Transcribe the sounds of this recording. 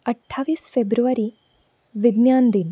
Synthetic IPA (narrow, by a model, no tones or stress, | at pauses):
əʈʰːaːʋiːsfebɾuʋɐɾi | ʋid̪njaːnd̪in